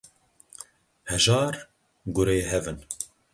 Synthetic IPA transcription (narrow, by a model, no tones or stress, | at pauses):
hɛʒɑːɾ | ɡʊɾeːɦɛvɨn